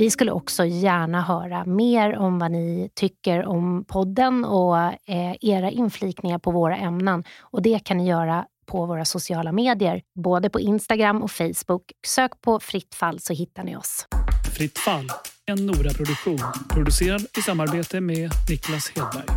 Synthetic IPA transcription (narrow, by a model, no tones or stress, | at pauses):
vɪskɵlːə̰ʔɔksɔjæːɳaɦœːɾameːɾɔmvanɪt̪ʰʏkːəɾɔmpʰɔd̪ːənɔ | eːɾaʔɪnfliːknɪŋaɾpʰɔvoːɾa̰ʔɛmnənɔd̪ɛkʰanːɪjœːɾapʰɔvoːɾasʊsɪɑːlameːd̪ɪəɾboːd̪əpʰɔʔɪnst̪aɡɾamːʔɔfɛjsbʊksøːkpʰɔfɾɪt̪ːfalːsɔɦɪt̪ːaɳɪ̰ɔ̰sfɾɪt̪ːfalːɛnːuːɾapʰɾʊd̪ɵkɧuːnpʰɾʊd̪ɵseːɾad̪ɪsamːaɾbeːt̪əmɛnɪklasheːd̪̚bæ̰ɾɡ